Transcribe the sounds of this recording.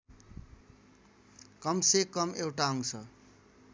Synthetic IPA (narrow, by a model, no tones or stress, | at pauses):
kʌmsekʌmewʈaʌŋsʰʌ